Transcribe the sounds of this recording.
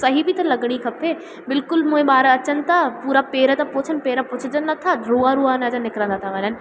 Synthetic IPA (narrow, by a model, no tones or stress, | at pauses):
sɐɦibɪt̪ɐlɐɡɽ̃ikʰɐpʰe | bɪlkʊlmũːẽɓaːɾɐt͡ɕənɪ̆t̪ʰapuːɾapeːɾət̪ɐpʊːt͡ɕʰənɪ̆peːɾəpʊt͡ɕʰɪd͡ʑənnːɐt̪ʰaɾuːaɾuaːnad͡ʑãnɪkɾə̃nd̪at̪ʰaʋɐɲənɪ̆